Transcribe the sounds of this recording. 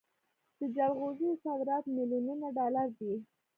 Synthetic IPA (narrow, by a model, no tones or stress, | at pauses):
d̪̥əd͡ʒalɣozisɑd̪ɾɑt̪mɪlininaɖɑlaɾd̪i